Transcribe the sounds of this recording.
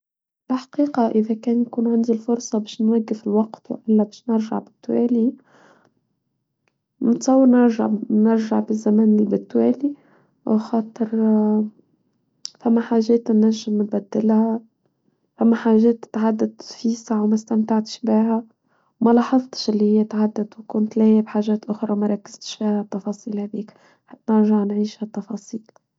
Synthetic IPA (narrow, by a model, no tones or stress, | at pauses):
b̥ɪħḁqiːqɑʔɪðækɛːnjakuːnʕɪnd̪ilfʊɾsˤɑbɛːʃnwæɡːɪfɪlwɑqt̪w̰ʔɪlːæbɛːʃnɪɾʒa̰ʕbɪt̪ːwɛ̰ːli | mʊt̪sˤɑwːɑɾnɪɾʒa̰ʕnɪɾʒaʕbɪzːæmæːnɪlbɪt̪ːwɛːli | wxɑːt̪ˤɨɾ | famːaħaːʒːeːt̪nːaʒːɪmnbad̪ːɪlha | famːaħaːʒeːt̪ːɪ̥t̪ʕad̪ːad̪fisɑʕwmast̪amt̪aʕt̪ʃbiːɦa | wmalɑːħɑzˤt̪ˤʃʔɪlːihɪjːat̪ʕad̪ːad̪wkʊnt̪laːjɪbħaːʒeːt̪ʔʊxɾˤɑmaɾˤɑkːɪ̥z̥t̪ʃfiːhat̪ːɑfɑːsˤiːlhab̪iːk | ħanɪɾʒaʕnʕiːʃhat̪ːɑfɑːsˤiːl